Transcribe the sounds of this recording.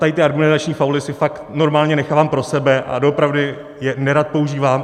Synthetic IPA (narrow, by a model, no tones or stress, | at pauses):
t̪ajɪt̪ɪadɡumɛnzat͡ʃɲiːfawlɪsɪfakt̪no̞ɾmaːlɲɛnɛxaːvaːmpɾo̞sɛbɛʔa̰doopɾavdɪ | jɛnɛɾat̪̚po̞uʒiːvaːm